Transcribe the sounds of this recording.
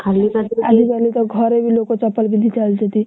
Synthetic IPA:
kʰalːibat̪ad̪ʱid͡zʱaliːt̪əɡʱəɾeʋiːlokot͡sapəlʋid̪ʱiːt͡sald͡ʑat̪iː

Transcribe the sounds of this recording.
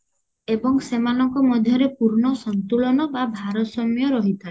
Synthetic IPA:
ebɔŋsemanɔŋkɔmɔd̪ʱjɔɾepuɾɳɔsɔnt̪ulɔnɔbabʱaɾɔsɔmjɔɾɔɦit̪ʰa

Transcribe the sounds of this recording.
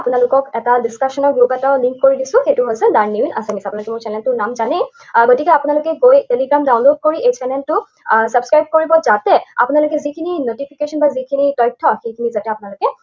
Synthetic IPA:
apʊnalʊkɔkɛtadiskasɔnɔɡɹupɛtaʊliŋkːoɹidisʊ̃xejtuɦosɛdaɹnːiinasamisɛapunalokɛmʊɹt͡ʃɛnɛltʊɹnamzane | ɡotikɛapʊnalokɛɡojteliɡɹamdawnlod̚koɹiejt͡ʃɛnɛltʊ | sabskɹajb̚koɹibɔzatɛa̰pʊnalokɛzikʰininotipʰikeʃɔnbazikʰinitɔjtʰːɔxekʰinizatɛapʊnalokɛ

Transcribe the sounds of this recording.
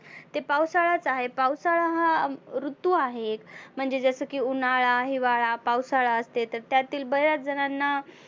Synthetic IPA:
t̪epawsaɭat͡saɦepawsaɭaɦaɾut̪ːuaɦekm̤əɳd͡zed͡zəsəːkiːunaɭaɦiʋaɭapawsaɭaəst̪et̪əɾt̪jat̪iːlbəɦɾjat͡sd͡zənanːa

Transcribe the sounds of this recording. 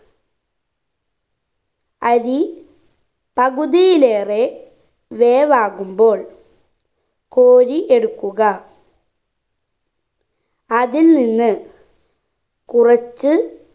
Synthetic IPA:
ɐði | pɐɣuðijile̞ːre | ʋeːʋaːɣumbo̞ːɭ | koːɾiʔe̞ɽukːuɣɐ | ɐðilninːɨ | kurɐt͡ɕːɨ

